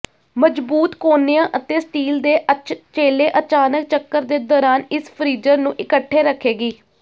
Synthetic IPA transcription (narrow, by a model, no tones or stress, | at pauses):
məd͡ʒbuːt̪koːnejãːʔət̪eːsʈiːld̪eːt͡ʃeːleːʔət͡ʃaːnək̚t͡ʃəkːəɾd̪eːd̪ɔːɾaːnɪspʰəɾiːd͡ʒəɾnũːʔɪkəʈʰːeːɾəkʰːeːɡiː